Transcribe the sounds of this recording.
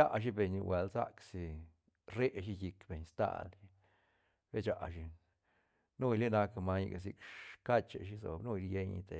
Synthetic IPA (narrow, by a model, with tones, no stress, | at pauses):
a˦ʔʃ̬i˦be˨ɲi˨we˨lsa̰˦ksi˧ | ɾe˦ʔʃ̬i˦ji˧kbe˨ɲst̪a̰˦li˧ | b̥e˦t͡ʃa˨˧ʔʃi˧ | nu˦jli˦na˧kma˧ɲ̰˧ɡa˨s̬i˧kka˦t͡ʃḛ˨ʃi˧˦zo̰˨nu˦jɾje˦ɲḭ˧t̪ḛ˨